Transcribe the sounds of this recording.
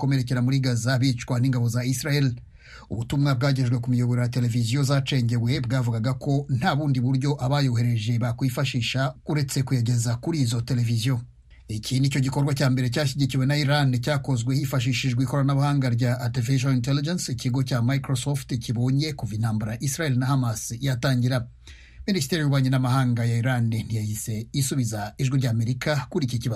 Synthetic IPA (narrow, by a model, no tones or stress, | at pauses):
ko̞me̞ɾe̞ce̞ɾamuɾiɡazaβit͡ʃkwan̥iːŋɡaβo̞zaisɾael | ṵβutumŋab̚ɡaːɟe̞ʒɡwe̞kumijo̞βo̞ɾejate̞le̞vizjo̞zat͡ʃe̞ːɲɟe̞we̞bɡaːvuɡaɡakʰo̞n̥haːβuːndiβuɾjo̞ʔaβajo̞ɦe̞ɾe̞ʒe̞βakwifaʃiːʃauɾe̞t͡se̞kujaɟe̞zakuɾiːzo̞te̞le̞vizijo | iciːnico̞ɟikoɾɡwacaːmbe̞ɾe̞caːʃiɟiciwe̞naiɾancaːko̞zɡwehiːfaʃ̬iːʃiʒɡwiːko̞ɾaanaβahaːŋɡaɾɟaʔːtiveʃaintelid͡ʒensiciɡo̞camajkɾosofticiβo̞ːɲe̞kuvin̥haːmbaɾaaʔisɾajelinahamasijataːɲɟiɾa | ministeɾiuɾwaːɲenamahaːŋɡajaiɾann̥ijahise̞isuβizaiʒɡwiɾɟaːme̞ɾikakuɾiciciβa